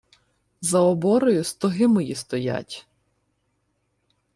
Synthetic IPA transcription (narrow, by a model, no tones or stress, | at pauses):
zɐɔbɔɾɔjʊst̪ɔɦɪmɔjist̪ɔja̰tʲ